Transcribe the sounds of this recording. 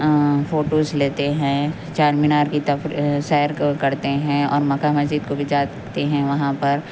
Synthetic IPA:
foːʈoːzleːt̪eɦɛ̃ | t͡ʃaːɾmɪnaːɾkit̪ɐfɾsɛːjəɾkɐɾt̪eɦɛ̃ɔ̰ːɾmɐkamɐzd͡ʒiːd̪̚kobʱid͡ʒaː | t̪eɦɛ̃ʋɐɦãpɐɾ

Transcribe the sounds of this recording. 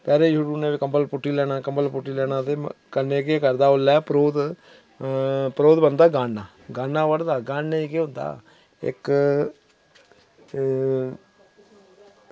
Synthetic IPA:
pɛːɾeːjuːɽuːnẽːʋekəmbəlpʊʈːiːlɛːɽ̃ãːkəmbəlpʊʈːiːlɛːɽãːt̪eːkənːeːkekəɾd̪aːʊlːɛːpɾoːd̪ | pəɾoːd̪bənd̪aːɡaːnːaː | ɡaːnːaːʋəɽd̪aːɡaːnːẽːikeːʊ̃nd̪a̰ː | ɪ̰k

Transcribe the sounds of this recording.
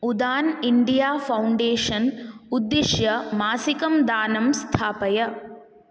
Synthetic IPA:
ud̪aːniɳɖijaːfʰɐwɳɖeːʂɐnud̪ːiʃjɐmaːsikɐmd̪aːnɐmst̪ʰaːpɐjɐ

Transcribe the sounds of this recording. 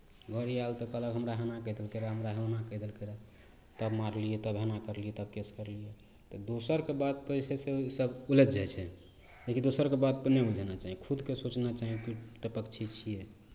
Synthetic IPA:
ɡʱəɾijalt̪ɔkələkɦəmɾaɦenakəd̪elkeɾaɦəmɾaɦenakəd̪elkeɾa | t̪əbmaɾliet̪əbɦenakəɾlijɛt̪əb̚keskəɾlije | t̪ɔd̪osəɾkebad̪̚pəɪsʰesesəbuled̪d͡ʒat͡ʃʰɛ | d͡ʒekid̪osəɾkebad̪̚pəneud͡ʒʱenat͡ʃaɦikʰud̪kesot͡ʃnat͡ʃaɦĩkit̪əpəkt͡ʃʰit͡ʃʰije

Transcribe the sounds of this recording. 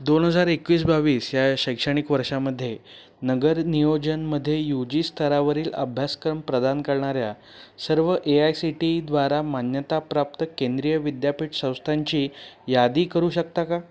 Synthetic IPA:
d̪onɦəd͡zaɾekʋiːs̬baʋiːsjaɕəjkʂəɽ̃ikʋəɾʂaməd̪ʱːje | nəɡəɾnijod͡ʑənməd̪ʱːjejud͡ʑiːst̪ʰəɾaʋəɾiːlə̰bʱjaskɾəmpɾəd̪ankəɾɳaɾja | səɾʋəʔeajsiʈid̪ʋaɾamanjət̪apɾap̚t̪əkend̪ɾijəʋid̪japiːʈsə̃w̃st̪ʰaɲt͡ɕiːjad̪iːkəɾuːɕək̚t̪aka

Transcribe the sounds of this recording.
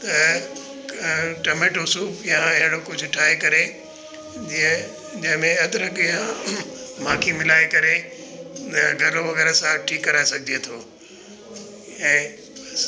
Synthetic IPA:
t̪ɐ | ʈɐmeːʈʊsuːbjãɪ̃ɦɪɽokʊd͡ʑʱʊʈʰaːekɐɾe | d͡ʑiə̃ | d͡ʑɐ̃ɦɪ̃mẽɐd̪ɾɐkjã | mãːkʰimɪlaːekɐɾe | t̪ɐɡʱɐɾloʋɐɣɛːɾasãʈʰiːkːɐɾaːesɐɡʱd͡ʑet̪ʰoː | ɛ̃ː | ɐs

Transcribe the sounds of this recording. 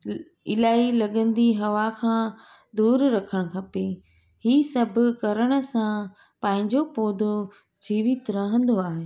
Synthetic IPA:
ɪlaːilɐɠə̃n̆d̪iɦɐʋakʰãː | d̪uːɾɾɐkʰəɽ̃ʊkʰɐpe | hiːsɐbʱʊ̆kɐɾəɽ̃ə̆sã | pɐ̃ɦɪ̃ɲd͡ʑopoːd̪ʱo | d͡ʑiːʋɪt̪ɾɐɦə̃nd̪oaːɦeː

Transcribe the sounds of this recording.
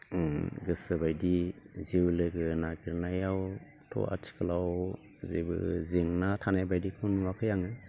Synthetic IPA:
ɡɯsɯbajdizewlɯɡɯnaɡiɾnajaw | tʰɔ̰ʔa̰tʰi̥kʰɯlaw | zḛbɯ̰zeŋnatʰanajbajdikʰɯnuwakʰɯjaŋɯ

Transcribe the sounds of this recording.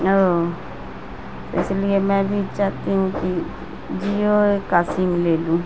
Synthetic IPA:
o | t̪ːɪslɪemɛ̃ːbʱit͡ʃaːt̪iɦũːki | d͡ʒijoekaːsiːmleːlũː

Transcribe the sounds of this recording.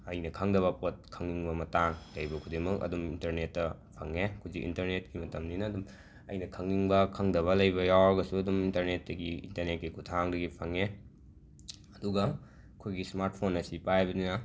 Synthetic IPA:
ɐjnɐkʰɐŋdɐβɐpot̚kʰɐŋniŋbɐmɐtaŋlɐjbɐkʰudemɐkɐ̰dumintɐɾnetːɐ | pʰɐŋekʰuzikḭntɐɾnet̚kimɐtɐmninɐdum | ɐ̰jnɐkʰɐŋniŋbɐkʰɐŋdɐβɐlɐjbɐjawɐɡɐsuɐdumintɐɾnetːɐɡiḭntɐɾnet̚kikʰutʰaŋdɐɡipʰɐŋe | ɐduɡɐ | kʰojɡismaɾt̚pʰonːɐsipajbɐninɐ

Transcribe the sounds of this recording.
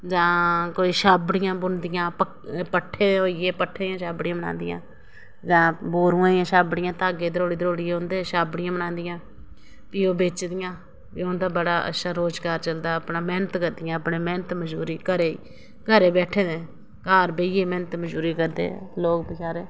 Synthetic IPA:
d͡ʒãːkoːiːʃaːbɽɪjãːbʊnd̪ɪjãːpə | pəʈʰːeːoːɪjeːpəʈʰːeːd̪ɪjãːʃaːbɽɪjãːməna̰ːnd̪ɪjã̰ː | d͡ʒãːboːɾũːãːd̪ɪjãːʃaːbɽɪjãːt̪aːɡeːd̪əɾoːɽiːd̪əɾoːɽieʊ̃nd̪eːʃaːbɽɪjãːbənãːnd̪ɪjãː | piːoːbeːt͡ʃd̪ɪjãː | piːond̪aːbəɽaːʔə̰tːʃaːɾoːd͡ʒɡaːɾt͡ʃəld̪aːəpnãːmɛːnət̪kəɾd̪ɪjãːəpɳeːmɛːnət̪məd͡ʒuːɾiːkəɾeːiː | kəɾeːbɛːʈʰẽːd̪ẽː | kaːɾbeieːmɛːnət̪məd͡ʒuːɾiːkəɾd̪ḛːloːkbəkaːɾeː

